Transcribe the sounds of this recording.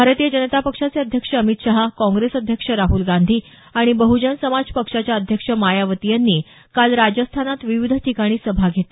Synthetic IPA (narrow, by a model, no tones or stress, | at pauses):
bʱaɾt̪iːjəd͡ʑənət̪apəkʂat͡seəd̪ʱjəkʂəəmit̪ɕaɦakɔ̃ŋɡɾesəd̪ʱjəkʂəɾaɦulɡand̪ʱiː | aɽ̃ibəɦud͡ʑənsəmad͡zpəkʂat͡ɕjaəd̪ʱjəkʂəmajaʋət̪ijanːiː | kalɾad͡zəst̪ʰanat̪ʋiʋid̪ʱʈʰikaɽ̃iːsəbʱaɡʱet̪e